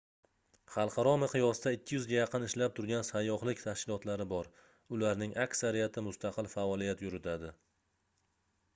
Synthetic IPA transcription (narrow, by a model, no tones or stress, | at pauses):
χɑlˠqʰɑɾɒmɪqʰɨjɒsd̪aɪkʲʰːɪjʊzɡʲajɑqʰɨnɪʃlap̚t̪ʰʊɾɡʲansajːɒχlɪkʲt̪ʰaʃkʲɪlˠɒt̪laɾɪbɒɾ | ʊlaɾnɪŋʔakʲsaɾijat̪ʰɪmʊst̪ʰaqɨlfaɒlˠijat̪jʊɾʊt̪ʰad̪ɪ